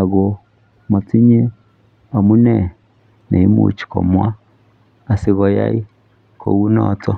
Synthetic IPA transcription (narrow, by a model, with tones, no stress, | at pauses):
a˨ɣo˨ | mo˨t͡si˦ɲe˦ | a˨mu˦nɛ˨ | ne˨i˦mṵ˨t͡ʃi̥˨kɔ̰˨mwa˦ | a˨si˨˦ɣɔ˨ja̰˦i˦ | kʰo̰˨ɣu˦nɔ̰˨tɔ˦